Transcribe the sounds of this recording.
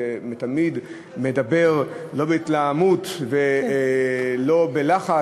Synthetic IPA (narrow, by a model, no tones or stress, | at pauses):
emet̪amid̪ | medabe̞ʁlo̞beitlaamut̪ve | lo̞belaχa